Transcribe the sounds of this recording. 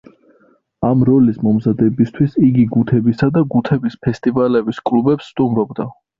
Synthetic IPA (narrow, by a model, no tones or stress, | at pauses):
amɾɔlismɔmzad̪ɛbist̪ʰwisiɡiɡut̪ʰɛbisad̪aɡut̪ʰɛbispʰɛst̪ʼivalɛbiskʼlubɛpsːt̪ʼumɾɔbd̪a